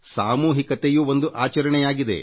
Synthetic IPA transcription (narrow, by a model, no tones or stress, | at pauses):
saːmuːɦikɐt̪ejuʋo̞nd̪uʔaːt͡ʃɐɾɐɳɛjaːɡid̪e̞̰